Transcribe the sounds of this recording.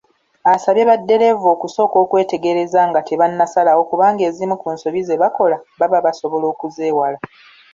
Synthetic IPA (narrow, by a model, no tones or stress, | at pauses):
asaβjeβadːe̞ɾe̞vo̞ːkuso̞ːko̞ːkwe̞ːte̞ɡeɾe̞zaŋɡatʰeβanːasalawo̞kuβaːŋɡe̞ːzimukuːnso̞βizeβako̞laβaβaβaso̞βo̞lo̞ːkuze̞ːwala